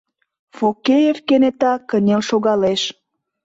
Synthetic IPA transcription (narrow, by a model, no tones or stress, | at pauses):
fokejevkenet̪ɑkənʲelʃoɣɑleʃ